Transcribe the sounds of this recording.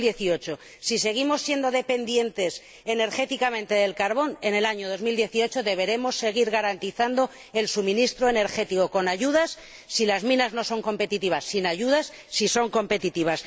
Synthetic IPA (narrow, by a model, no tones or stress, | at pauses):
jeθio̞t͡ʃo | sise̞ɣ̞imo̞sːje̞nd̪o̞ðe̞pe̞nd̪je̞nt̪e̞s | ene̞ɾxe̞t̪ikamẽnt̪e̞ð̞e̞lkaɾβo̞ne̞ne̞laɲoð̞o̞zmild̪je̞θio̞t͡ʃoðe̞βe̞ɾe̞mo̞sːe̞ɣ̞iɾɣaɾant̪iθand̪o̞ | e̞lsumĩnist̪ɾoe̞ne̞ɾxe̞t̪ikoko̞naʝuðasː | ilazmĩnazno̞so̞ŋko̞mpe̞t̪it̪iβasːinaʝuðasːiso̞ŋko̞mpe̞t̪it̪iβ̞as